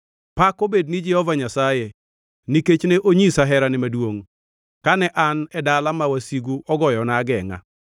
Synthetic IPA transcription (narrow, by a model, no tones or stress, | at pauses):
pakobednɪd͡ʒɛhɔvaɲasaje | niket͡ʃneʔoɲisaɦɛɾanɪmadwoŋ | kanɛʔanɛdalamawasiɡuʔɔɡɔjɔnaɡɛŋa̰